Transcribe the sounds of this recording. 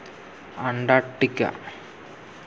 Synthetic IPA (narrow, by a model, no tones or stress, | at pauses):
ɐɳɖaːʈːikʲːa̰